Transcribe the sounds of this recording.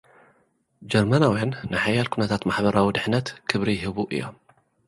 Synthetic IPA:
d͡ʒɐɾmanawjanːɨħajalkʰunɐt̪ʰat̪maħbɐɾawid̪ɨħnɐt̪kʰɨβɾijɦɨβuʔɨ̰jːo̰m

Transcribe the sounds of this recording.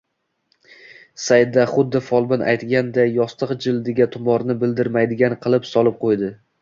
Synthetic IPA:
sajd̪aχʊd̪ːɪfɒlˠbɪnʔa̰jt̪ɡʲand̪ajːɒst̪ʰɨqd͡ʒɪld̪eɡʲat̪ʰʊmɒɾnɪbɪld̪ɪɾmajd̪ɪɡʲanqʰɨlˠɪpsɒlˠɪp̚qʰojd̪ɪ

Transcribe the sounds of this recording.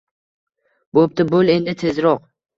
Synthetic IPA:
bop̚t̪ɪbole̞nd̪ɪt̪ʰe̞zɾɒq

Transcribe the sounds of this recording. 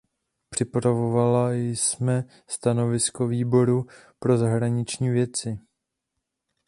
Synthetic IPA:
pr̥ɪpɾavo̞valajsmɛ | st̪ano̞vɪsko̞viːbo̞ɾu | pɾo̞zaɦɾaɲɪt͡ʃɲiːvjɛt͡sɪ

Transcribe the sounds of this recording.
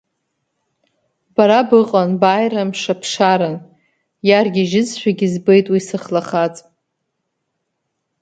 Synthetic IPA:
baɾabɨqʼanbajɾamʂapʰʂaɾɨn | jarɡʲiʒɪd͡zʃʷᶣaɡʲizbejtʼwisɨχlaχat͡sʼ

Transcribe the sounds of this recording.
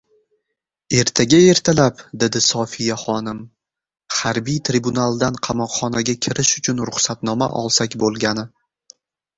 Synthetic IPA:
e̞ɾt̪ʰaɡʲae̞ɾt̪ʰalapd̪e̞d̪ɪsɒfijaχɒnɪm | haɾbijt̪ʰɾibunalˠd̪anqʰɑmɒqχɒnaɡʲakʲʰɪɾʔɪʃʊt͡ʃʰʊnɾʊχsat̪nɒma̰ʔɒ̰lˠsakʲbolˠɡʲanɪ

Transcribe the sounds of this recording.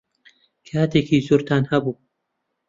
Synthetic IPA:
kʰat̪ekʰiːzuɾt̪ʰanhabuː

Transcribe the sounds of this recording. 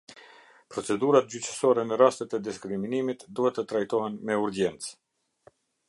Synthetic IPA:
pɾɔt͡sɛd̪uɾat̪̚d͡ʑyt͡ʃə̥sɔɾɛnəɾast̪ət̪ɛd̪iskɾiminimit̪d̪uhɛt̪ət̪ɾajt̪ɔɦɛnmɛuɾd͡ʑɛnt͡s

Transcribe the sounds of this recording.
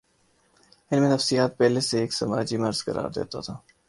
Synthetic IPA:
ɪlmẽnɐfsijaːt̪̚pɛɦleseːksɐmaːd͡ʒimɐɾz̥kə̰ɾa̰ːɾd̪ḛːt̪a̰t̪ʰaː

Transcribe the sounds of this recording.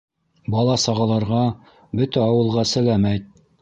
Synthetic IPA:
bɑlˠɑsɑʁɑlˠɑɾʁɑ | bɵt̪æɑwɤ̆lˠʁɑsɘ̆læmæjt̪̚

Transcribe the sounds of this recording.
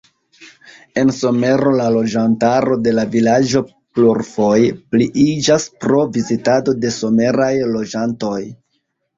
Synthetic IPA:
e̞nso̞me̞ɾo̞lalo̞d͡ʒantaɾo̞de̞lavilad͡ʒo̞ | pluɾfo̞jpliʔid͡ʒaspɾo̞vizitado̞de̞so̞me̞ɾajlo̞d͡ʒanto̞j

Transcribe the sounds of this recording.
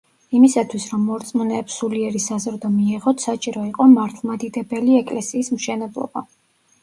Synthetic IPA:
imisat̪ʰwisɾɔmːɔɾt̪sʼmɔnɛːpsuliɛɾisazɾd̪ɔmiɛʁɔt̪ʰsat͡ʃʼiɾɔiqʼɔmaɾt̪ʰlˠmad̪id̪ɛbɛliɛkʼlɛsiːsmʃɛnɛblˠɔ̰ba

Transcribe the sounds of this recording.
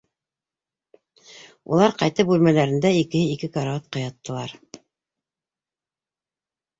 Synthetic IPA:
ṵlˠɑɾqɑjt̪ɤp̚bʉlmælæɾɘ̆nd̪æikɘ̆hɘikɘkɑɾaɑt̪̚qɑjɑt̪ːɤ̆lˠɑɾ

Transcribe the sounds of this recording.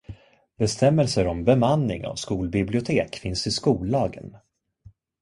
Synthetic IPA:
bɛst̪ɛmːəlsəɾɔmbɛmanːɪŋa̰vskuːlbɪblɪʊt̪ʰeːkfɪnsɪskuːlɑːɡə̰n

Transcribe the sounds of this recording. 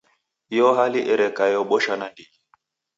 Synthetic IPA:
jɔɦaliʔɛɾɛkajɔɓɔʃanandi

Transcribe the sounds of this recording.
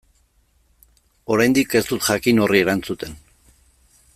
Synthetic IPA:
o̞ɾajnd̪ike̞st̪ut̪ʝakino̞rie̞ɾant͡sut̪e̞n

